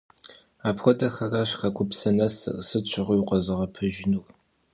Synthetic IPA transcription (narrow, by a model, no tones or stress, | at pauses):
aːpχʷɔtʼɐxɐraːɕχɐkʷʰʊpsɐnɐsrsɨt͡ʃʷʰɪʁʷʊjqʷɐzɨʁɐpʰɨʒɪnu